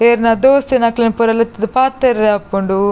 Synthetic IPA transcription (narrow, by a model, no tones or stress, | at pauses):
eɾnad̪oːst̪inɐklɐnpuɾɐlɐt̪ːd̪paːt̪ːeɾapːuɳɖu